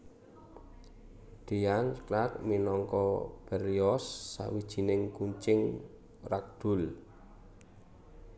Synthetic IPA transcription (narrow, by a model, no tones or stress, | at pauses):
d̪̥ijanklak̚minɔŋkɔb̥əɾiɔsːa̰wid̥ʒ̥i̤nɪŋkuɲt͡ʃɪŋ | rak̚d̪̥ʊ̤l